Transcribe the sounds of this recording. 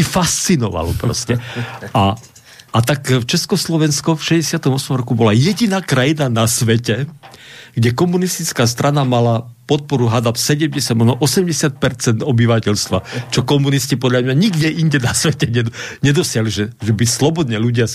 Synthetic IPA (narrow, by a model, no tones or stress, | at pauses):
ifast͡sinɔʋa̰lɔ̰pɾɔ̰scɛa | ʔat̪akft͡ʃɛskɔslɔʋɛnskɔfʃɛɟɛsɪat̪ɔmɔsmɔmɾɔkubɔlajɛɟinaːkɾajinanasʋɛcɛ | ɡɟɛkɔmunist̪it͡skaːst̪ɾanamalapɔt̪̚pɔɾuɦad̪apsɛɟɛmɟɛsjaɟmɔnɔʔɔsɛmɟɛsɪat̪̚pɛɾt͡sɛnd̪ɔbiʋacɛʎst̪ʋa̰t͡ʃɔkɔmuniscipɔd̪ʎamɲaɲiɡɟɛʔinɟɛnasʋɛcɛɲɛɲɛd̪ɔsɪaɦliʒɛʒɛbislɔbɔd̪ɲɛluɟɪa